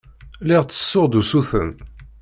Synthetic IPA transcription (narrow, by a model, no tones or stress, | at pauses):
lɪʁt͡sːə̥sːʊʁd̪usuθə̰m